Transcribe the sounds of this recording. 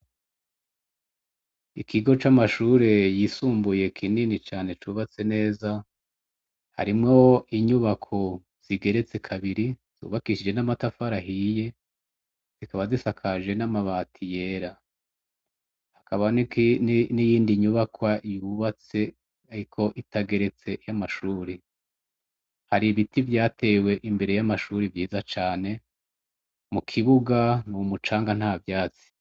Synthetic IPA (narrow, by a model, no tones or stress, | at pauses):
ikʰiɡo̞t͡ʃamaʃuːɾe̞jisuːmbuje̞kʰininit͡ʃaːne̞t͡ʃuːβat͡se̞ne̞ːza | ha̰ɾimŋo̞iɲuβakʰo̞ | z̥iɡe̞ɾe̞t͡se̞kʰaβiɾiz̥ṵːβakiʃid͡ʒe̞namatafaɾaɦije̞ | z̥ikaβazisakʰaʒe̞namaβatʰije̞ɾa | hakʰaβannnijiːndiɲuβakwajuβat͡se̞ | aɾikʰo̞ʔitaɡe̞ɾe̞t͡se̞jamaʃuːɾi | haɾiβitivjaːtʰe̞ːwe̞ʔimbe̞ɾe̞jamaʃuːɾivjiːzat͡ʃaːne̞ | mukʰiβuɡanuumut͡ʃaːŋɡan̥haːvjaːt͡si̥